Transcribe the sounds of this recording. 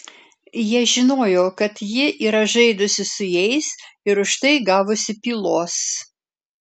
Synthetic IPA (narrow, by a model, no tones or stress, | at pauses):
jiɛʒʲɪnoːjoːkɐt̪jɪʔiːɾɐʒɐɪd̪ʊsʲɪsʊjɛɪsɪɾʊʃt̪ɐɪɡɑːʋʊsʲɪpʲiːlˠoːs